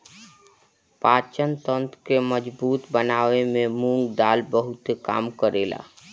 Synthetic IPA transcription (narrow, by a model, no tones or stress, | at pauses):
paːt͡ʃənt̪ənt̪keməd͡ʒbuːt̪bənaːwemẽmuŋɡd̪aːlbəɦut̪eka̰ːmkəɾela̰